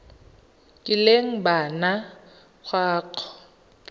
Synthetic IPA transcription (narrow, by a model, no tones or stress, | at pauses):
kʼɪleŋ̩bana | k͡xʰwaːkʰɔ̥